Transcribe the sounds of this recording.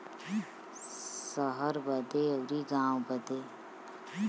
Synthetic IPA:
səɦəɾbəd̪eəwɾiɡãːwbəd̪eː

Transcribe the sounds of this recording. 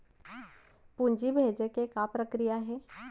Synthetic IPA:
puɲd͡ʒibʱeːd͡ʒekekapɾəkɾijaɦeː

